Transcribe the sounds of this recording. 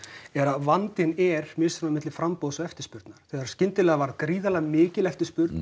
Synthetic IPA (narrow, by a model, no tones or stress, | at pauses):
ɛɾaðvant̪ɪnɛɾ̥mɛːsanmamɪt̪lɪfɾampoðsɔɣɛft̪ɪɾ̥spʏɾt̪naɾ̥θɛɣaɾ̥scɪnt̪ɪlɛːɣavaɾðkɾiːðalamɪːcɪlɛft̪ɪspʏɾt̪n